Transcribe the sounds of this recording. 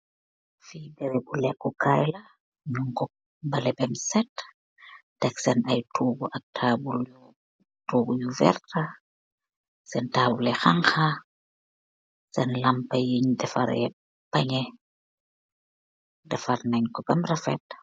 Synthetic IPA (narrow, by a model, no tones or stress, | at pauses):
fibɛɾɛbulɛkːɔkʰajlɐ | ɲuŋkɔ | bɐlɛbɛmsɛt | d̥ɐksɛnɐjtʰuːɡuʔɐk̚tʰaːbul | tuːɡujuvɛ̰rta | sɛntaːbulɛxaŋxa | sɛnlɐmpɐjiɲdɛfa̰ɾɛ | pɐɲɛ | dɛfarnaɲkɔbɛmrɐfɛ̰t̚